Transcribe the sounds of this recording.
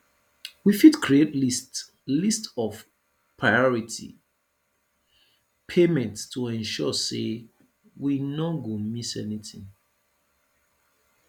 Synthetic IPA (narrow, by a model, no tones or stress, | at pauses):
wifidkɹietlist | listɔv | pʰɹaɪɔɹitʰḭ | pʰemɛ̃nttʰuɛ̃nʃɔsḛ | winɔɡomisɛnitḭ̃ŋ